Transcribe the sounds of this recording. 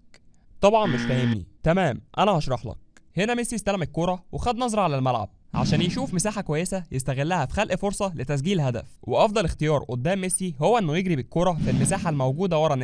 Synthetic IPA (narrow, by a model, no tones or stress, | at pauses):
t̪ˤɑbʕɑnmeʃfæhemnḭt̪æmæːmʔænæhɑʃɾˤɑħlɑ̰k̚henæmesiest̪ælæmekːoɾˤɑwexæd̪nɑzˤɾˤɑʕalælmælʕa̰b̚ʕa̰ʃæːnjeʃuːfmesaːħakowæjːesæjest̪æɣelːæhæfi̥xælʔfoɾsˤɑlet̪æs̬ɡiːlɦæd̪æ̰fwʔeʔɑfd̪ˤɑlext̪ejɑːɾˤʔod̪ːæːmːesːihowːæʔenːojeɡɾibekːoɾˤɑfilmesaːħalmæwɡuːd̪æwɑɾˤɑne